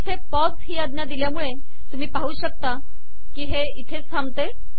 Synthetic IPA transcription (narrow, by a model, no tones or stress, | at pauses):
it̪ʰepɔt͡sɦiːəd̪njad̪iljamuɭe | t̪um̤iːpaɦuːɕək̚t̪a | kiːɦe | it̪ʰesambt̪e